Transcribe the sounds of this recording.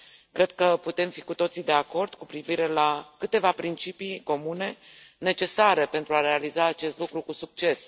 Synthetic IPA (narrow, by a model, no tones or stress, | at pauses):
kɾe̞d̪̥̚kəput̪e̞mfikut̪o̞t̪sid̪e̞ako̞rd̪̥kupɾiviɾe̞lakɨt̪e̞vapɾint͡ʃipiko̞mune̞ne̞t͡ʃe̞saɾe̞pe̞nt̪ɾuaɾe̞alizaːt͡ʃe̞st̪lukɾukusuk̚t͡ʃe̞s